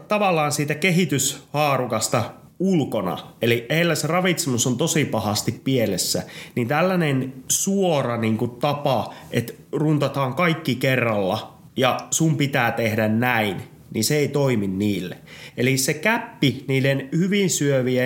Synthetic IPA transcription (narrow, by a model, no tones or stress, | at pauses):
t̪ɑʋɑlːˑɑːnsiːt̪ækeɦit̪yshɑːrukɑst̪ɑ | ulkonɑ̰elieilːæserɑʋit̪semusont̪osipɑhɑst̪ippielesːænint̪ælːænensuorɑniːŋkutt̪ɑpɑʔet̪ | runt̪ɑt̪ɑːŋkɑikːikerːɑlːɑ | jɑsumpit̪æːt̪ehdænnæin | ninseeit̪oiminniːlːḛelisekæpːiniːlenhyʋinsyøʋiæ